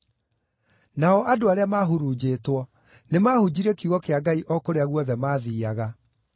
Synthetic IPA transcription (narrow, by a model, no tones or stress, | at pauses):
naɔʔadoaɾeamaɦuɾud͡ʑeːtwɔ | nemaːhud͡ʑiɾɛkiuɣɔkeaɡaiʔɔkoɾeaɣwɔðɛmaːðiːaɣa